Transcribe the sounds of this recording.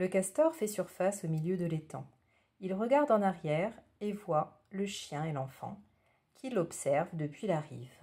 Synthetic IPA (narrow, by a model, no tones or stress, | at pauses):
ləkast̪ɔʁfɛsyʁfasomiljød̪əlet̪ɑ̰̃ | ilʁəɡaʁd̪ɑ̃naʁjɛʁ | evwa | ləʃjɛ̃elɑ̃fɑ̰̃ | kʲʰilɔpsɛʁvd̪əpɥilaʁiːv